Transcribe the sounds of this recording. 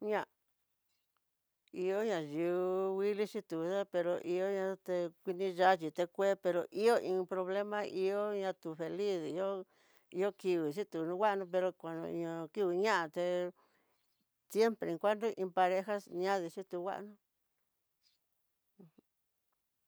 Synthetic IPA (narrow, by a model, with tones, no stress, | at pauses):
ɲã˦˧ | i˧o˦ɲã˧ʒu˨˧wi˦li˦t͡ʃi˦t̪u˨˧ða˦pe˧ɾo˧ʔi˧o˦ɲã˧t̪e˧kʷi˧nĩ˧ʒa˦t͡ʃi˧t̪e˧kʷe˦pe˧ɾo˨ʔi˦o˦ʔĩ˧pɾo˧βle˦mã˦ʔi˧o˦ɲã˧t̪u˨fe˨li˦si˧o˦ | i˦o˦ki˧βi˨ʃ̬i˦t̪u˨˧nũ˦wʷa˦ʔnũ˧p̬e˧ɾo˧kʷa˨nõ̰˧ĩ˧õ˧ki˦βi˧ɲã˦ʔa˧t̪e˧ | sje˦mpɾe˨˧ẽ˨˧ŋkʷa˦nd̪o˦ʔĩ˧pa˧ɾe˦xa˦sɲã˦ði˧t͡ʃĩ˦t̪u˧wʷa̰˦ʔnũ˧ | h